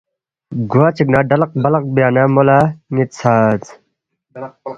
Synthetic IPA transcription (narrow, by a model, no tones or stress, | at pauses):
ɡuaːt͡ɕʰiknaːɖɐlɐq̚bɐlɐq̚bijaːnamolaːŋit̪̚t͡sʰaːt͡s